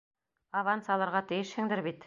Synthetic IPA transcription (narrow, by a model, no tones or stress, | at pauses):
avansɑlˠɑɾʁɑt̪ɘ̆jɘʃhɘ̆ŋd̪ɘɾbit̪